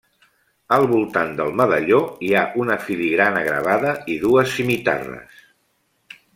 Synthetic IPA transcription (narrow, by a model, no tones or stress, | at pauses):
əlˠβulˠt̪and̪əlˠməðəʎoiaʔunəfiliɣɾanəɣɾə̰β̞aðəiðuəsːimit̪a̰rə̰s